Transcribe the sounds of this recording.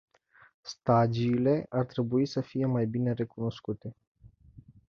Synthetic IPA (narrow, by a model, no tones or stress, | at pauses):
st̪ad͡ʒiːle̞art̪ɾe̞buisəfije̞majbine̞ɾe̞kuno̞skut̪e̞